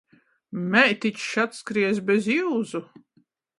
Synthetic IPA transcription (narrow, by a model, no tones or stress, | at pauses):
mɛjt̪it͡ʃʃat̪skɾiɛzbɛziwzu